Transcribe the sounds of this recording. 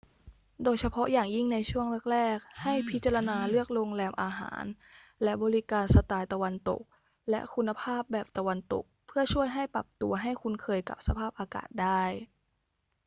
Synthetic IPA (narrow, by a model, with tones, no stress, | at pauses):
doː˧jt͡ɕʰa˧pʰɔ˦˥jaː˨˩ŋji˥˩ŋna˧jt͡ɕʰu˥˩əŋɾɛ˥˩k̚ɾɛː˥˩k̚ha˥˩jpʰi˦˥t̪̚t͡ɕa˧la˧naː˧lɯ˥˩ək̚ɾoː˧ŋlɛː˧mʔaː˧ɦa̰ː˩˦n | lɛ˦˥ʔbɔː˧ɾi˦˥kaː˧nsa˧t̪aː˧jt̪a˧wa˧nt̪o̰˨˩k̚ | lɛ˦˥ʔkʰu˧nːa˧pʰaː˥˩p̚bɛː˨˩p̚t̪a˧wa˧nt̪o̰˨˩k̚pʰɯ˥˩ɐt͡ɕʰu˥˩əjɦa˥˩jpɾa˨˩p̚t̪u˧ɐɦa˥˩jkʰu˧nkʰɤː˧jka̰˨˩p̚sa˧pʰaː˥˩p̚ʔaː˧ka̰ː˨˩t̪̚daː˥˩j